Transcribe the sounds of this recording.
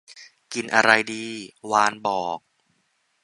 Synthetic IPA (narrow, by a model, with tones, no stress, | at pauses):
ki˧nʔa˧ɾa˧jdiː˧waː˧nbɔː˨˩k̚